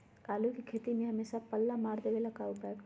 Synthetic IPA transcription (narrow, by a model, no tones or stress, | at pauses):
kaːlukikʰeːt̪imẽɦɐmeːsapəlːamaːɾd̪eʋelakaːupae